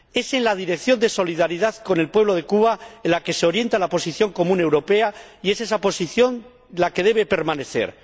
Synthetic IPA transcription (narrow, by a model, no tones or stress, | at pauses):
e̞se̞nlaðiɾe̞kθjo̞nd̪e̞so̞liðaɾiðaðko̞ne̞lpwe̞β̞lo̞ð̞e̞kuβaenlake̞seo̞ɾje̞nt̪alapo̞siθjo̞ŋko̞mũne̞wɾo̞pe̞aie̞se̞sapo̞siθjo̞n | lake̞ð̞e̞β̞e̞pe̞ɾmãne̞θe̞̰ɾ